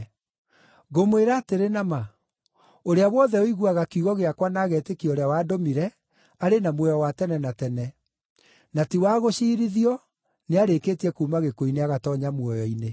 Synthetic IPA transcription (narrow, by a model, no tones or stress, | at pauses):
ɣomoeɾaːteɾenama | oɾeawɔðɛoiɣuaɣakuɣɔɣeakwanaːɣɛtekioɾeawaːdomiɾɛ | aɾenamwɔjɔwatɛnɛnatɛnɛ | natiwaːɣoʃiːɾiðiɔ | neaɾekeːtiɛkuːmaɣekoineaɣatɔɲamwɔjɔine